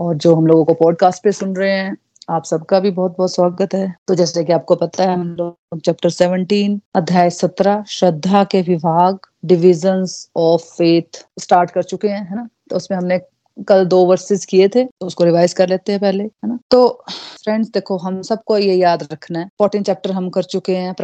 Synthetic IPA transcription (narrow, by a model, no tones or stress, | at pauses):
ɔːɾd͡ʒoːɦɐmloːɡõkopɔːɖ̚kaːsʈ̚pesʊnɾɐɦeɦɛ̃ | aːpsɐb̚kabʱibɔːt̪̚bɔːt̪swaːɡət̪ɦɛt̪od͡ʒɛːslekiaːp̚kopɐt̪aɦɛɦɐmloː | ɡ̚t͡ʃɛːp̚ʈəɾsɛːʋə̃ɳʈiːnɐd̪ʱjaːjsɐt̪ɾaʃɐd̪ʱːakeʋɪbʱaːɡɖɪʋɪd͡ʒənzɔːfːeːt̪ʰsʈaːɾʈkɐɾt͡ʃʊkeɦɛ̃ɦɛːnat̪oʊsmẽɦɐmne | kɐld̪oːʋɐɾsɪzkiet̪ʰeːt̪oʊskoɾɪʋaːɪzkɐɾleːt̪eɦɛ̃pɛɦleɦɛːnat̪oːfɾɛ̃ɳɖsd̪eːkʰoɦɐmsɐb̚kojejaːd̪ɾɐkʰnaɦɛ̃ːpɔːʈɪ̃nt͡ʃɛːp̚ʈəɾɦɐmkɐɾt͡ʃʊkeɦɛ̃pɾ